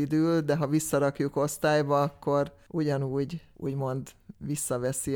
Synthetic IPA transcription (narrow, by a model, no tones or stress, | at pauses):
id̪yːld̪ɛɦɒvisːɒɾɒkjuko̞st̪aːjbɒɒkːo̞r | ʔuɟɒnuːɟ | ṵːɟmo̞nd̪ʋisːɒvɛsi